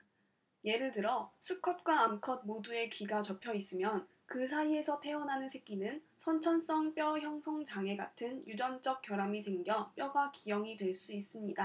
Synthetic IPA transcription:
je̞ɾɯɭtɯɾʌsʰukʰʌt̚k͈waːmkʰʌd̚modue̞kiɡat͡ɕʌpʰjʌis͈ɯmjʌn | kɯsʰaie̞sʰʌtʰe̞ʌnɦanɯnsʰe̞ɡ͈inɯn | sʰʌnt͡ɕʰʌns͈ʌŋp͈jʌçjʌŋsʰʌŋd͡ʑaŋe̞ɡa̰tʰɯnjud͡ʑʌnd͡ʑ͈ʌk̚k͈jʌɾamisʰe̞ŋɡjʌp͈jʌɡakijʌŋidwe̞ɭs͈uis͈ɯmɲida

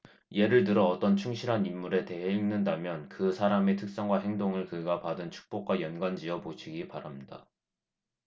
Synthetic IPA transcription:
je̞ɾɯɭt̬ɯɾʌːt͈ʌnt͡ɕʰuŋɕʰiɾɦanimːuɾe̞te̞ɦeiŋnɯndamjʌnkɯsʰaɾame̞tʰɯk̚s͈ʌŋɡwaɦe̞ŋdoŋɯɭkɯɡapadɯnt͡ɕʰu̥k̚p͈ok̚k͈wajʌnɡwand͡ʑiʌboɕʰiɡipaɾamɲida̰

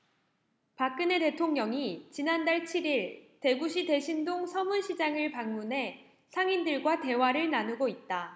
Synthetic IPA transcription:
pak͈ɯne̞te̞tʰoŋɲʌŋit͡ɕinandaɭt͡ɕʰiɾiɭte̞ɡuɕʰide̞ɕʰindoŋsʰʌmuɭɕʰid͡ʑaŋɯɭpaŋmunɦe̞ | sʰaŋindɯɭɡwate̞waɾɯɭnanuɡoit̚t͈a

